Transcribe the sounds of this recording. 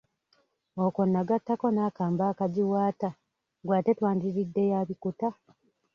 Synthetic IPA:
okonːaɡatːako̞naːkaːmbaːkaɟiwaːta | ɡwaːte̞twaːndiɾidːe̞jaːβikuta

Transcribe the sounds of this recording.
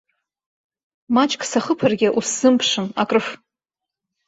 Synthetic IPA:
mat͡ʃʼkʼsaχəpʰarɡʲɪʔusz̥ɨmpʰʂɨnakʼrɨf

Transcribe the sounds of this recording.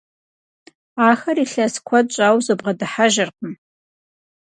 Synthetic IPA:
aːxɐriɬɐskʷʰɐt͡ʃʷʼaːwzɨbʁɐdɨħaʒɪrqəm

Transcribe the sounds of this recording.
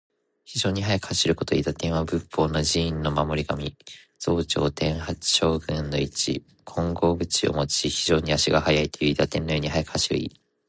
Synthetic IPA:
çiʑo̞ːɲ̟iɦajakɯ̟̥haɕiɾɯ̟ko̞t̪o̞ḭːt̪at̪ẽ̞ɰ̃abɯ̟pʰːo̞ːnod͡ʑĩːnːo̞mamo̞ɾʲiɡamʲi | d͡z̥o̞ːt͡ɕo̞̰ːt̪ʰẽ̞ɰ̃hat͡sɨ̥ɕo̞ːɡɯ̟̃nːo̞it͡ɕḭ | kʰõ̞ŋɡo̞ːbɯ̟t͡ɕio̰mo̞t͡ɕiçiʑo̞ːɲ̟iaɕiɡahajait̪ojɯ̟it̪at̪ẽ̞nːo̞joːɲ̟ihajakɯ̟haɕiɾɯ̟ḭː

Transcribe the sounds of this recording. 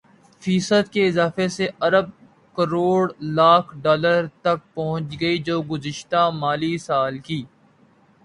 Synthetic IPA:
fiːsəd̪keɪzaːfeseʔɐɾəb̚ | kəɾoːɽlaːkʰɖɔːləɾt̪ɐk̚pɐɦʊ̃t͡ʃɡɐid͡ʒoːɡʊzɪʃt̪amaːlisaːlkiː

